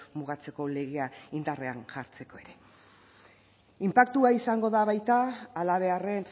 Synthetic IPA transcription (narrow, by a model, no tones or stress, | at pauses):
muɣ̞at͡se̞ko̞le̞ɣ̞eaind̪are̞anʝaɾt͡se̞ko̞e̞ɾe̞ | impak̚t̪uaisaŋɡo̞ðaβajt̪aːlaβ̞e̞are̞n